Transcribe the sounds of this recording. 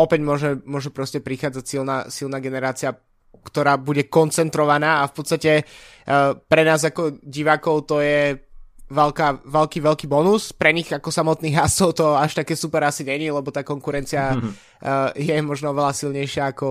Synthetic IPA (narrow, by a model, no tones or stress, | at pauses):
ɔpɛɟmʊɔʒɛmʊɔʒɛpɾɔscɛpɾixaːd͡zacsilnaːsilnaːɡɛnɛɾaːt͡siɪa | kt̪ɔɾaːbuɟɛkɔnt͡sɛnt̪ɾɔʋanaːafpɔt̪t͡sst̪acɛ | pɾɛnaːzakɔɟiʋaːkɔʊt̪ɔjɛ | ʋɛlkaːʋɛlkiːʋɛlkiːbɔnuspɾɛɲiɣakɔsamɔt̪niːɣɦasɔʊt̪ɔaʃt̪akɛːsupɛɾasiɲɛɲilɛbɔt̪aːkɔŋkuɾɛnt͡sia | jɛmɔʒnɔɔʋɛlasilɲɛjʃɪaːkɔ